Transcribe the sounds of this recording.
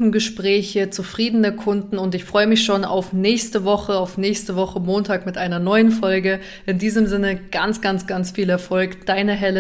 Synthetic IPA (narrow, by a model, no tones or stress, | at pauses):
n̩ɡəʃpʁ̥ɛːçət͡sufʁ̥iːdənəkʰʊndn̩ʊntɪçfʁ̥ɔʏəmɪçʃoːna̰ʊfnɛːçstəvɔχəaʊfnɛːçstəvɔχəmoːntʰaːkmɪtʔaɪnɐnɔʏənfɔlɡə | ʔɪndiːzəmzɪnəɡ̥ant͡sɡ̥ant͡sɡ̥ant͡sfiːlɛɐfɔlkd̥aɪnəɦɛlə